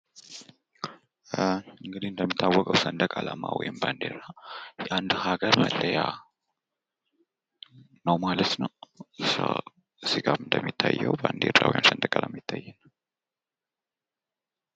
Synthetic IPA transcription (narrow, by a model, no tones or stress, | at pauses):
ɨŋɡɨd̪ihɨnd̪əmːit̪ʰːawːɔkʼəwsənd̪əkʼalamawɔjɪmband̪eɾajɛʔand̪haɡəɾməlːəja | nəwmalət̪nəwsə̰ | sɨɡamɨnd̪əmːit̪ʰːajːɛwband̪eɾːa̰wɔjɪmsənd̪əkʼalamːit̪ʰːajːɛnːəw